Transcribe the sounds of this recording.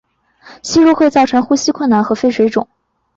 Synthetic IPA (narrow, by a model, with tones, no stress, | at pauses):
ɕi˥ɻu˥˧xwe˥˧ɪt͡sɑ˥˩ʊʈ͡ʂʰɤ˧˥ŋxu˥ɕi˥kʰwə˥˩nna˧˥nxɤ˧˥fe˥ɪʂwe˧˥ɪʈ͡ʂʊ̰˨˩˦ŋ